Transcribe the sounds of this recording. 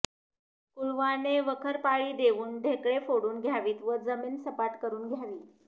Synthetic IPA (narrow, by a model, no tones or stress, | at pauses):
kulʋaneʋəkʰəɾpaɭiːd̪eʋuːnɖʱekɭefoɽuːnɡʱjaʋiːt̪ʋəd͡zəmiːnsəpaʈkəɾuːnɡʱjaʋiː